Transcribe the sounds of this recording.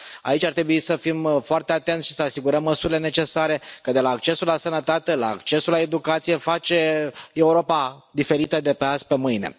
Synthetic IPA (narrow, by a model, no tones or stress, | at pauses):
a̰it͡ʃʲaɾrt̪ɾe̞buisəfimfoart̪eat̪e̞nt̪ʃi̥səasiɡuɾəmːəsuɾile̞ne̞t͡ʃe̞saɾe̞kəd̪e̞laːkt͡ʃe̞sulasənət̪at̪e̞la̰ːkt͡ʃe̞sulae̞d̪ukat̪sije̞fat͡ʃe̞e̞uɾo̞pad̪ife̞ɾit̪əd̪e̞peaspe̞mɨjne̞̰